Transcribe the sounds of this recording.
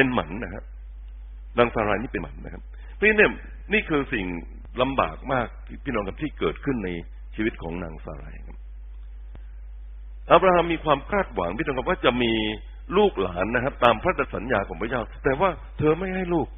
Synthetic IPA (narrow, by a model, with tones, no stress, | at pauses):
pe˧nma˩˦nːa˦˥kʰa˦˥p | naː˧ŋsaː˧ɾaː˧niː˥˩pe˧nma̰˩˦nːa̰˦˥kʰa˦˥p̚ | pʰɔ˥i˥ni˥˩ɐ | niː˥˩kʰɯː˧si˨˩ŋ | la˧mba̰ː˨˩k̚maː˥˩k̚t̪ʰːpʰiː˥˩nɔː˧ŋkʰa˦˥p̚t̪iː˥˩kɤː˨˩t̪̚kʰɯ˥˩nna˧j | t͡ɕʰiː˧wi˦˥t̪̚kʰɔː˩˦ŋna̰ː˧ŋsa̰ː˧ɾa̰ː˧jha̰˨˩kʰa˦˥p̚ | ʔaː˧˥p̚ɾaː˧ha˧mːiː˧kʰwaː˧mkʰaː˥˩t̪̚wa̰˩˦ŋpʰiː˥˩nɔː˧kʰa˥˩pwaː˥˩t͡ɕa˨˩miː˧ | luː˥˩k̚la̰ː˩˦nːa˦˥kʰa˦˥p̚t̪aː˧mpʰɾa˦˥d̪a˨˧˩sa˩˦njaː˧kʰɔː˩˦ŋpʰa˦t͡ɕaː˥˩wt̪ɛː˨˩waː˥˩ | t̪ʰɤː˧ma˥˩jɦa˥˩jluː˥˩k̚